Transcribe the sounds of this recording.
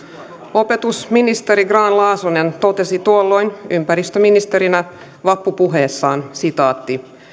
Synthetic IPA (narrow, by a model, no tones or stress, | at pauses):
o̞pe̞t̪usminist̪e̞ɾiɡrɑːnlɑːsonent̪o̞t̪e̞sit̪uolːo̞jnympæɾist̪øminist̪e̞ɾinæ | ʋɑpːupuɦe̞ːsːɑːnsit̪ɑːt̪ːi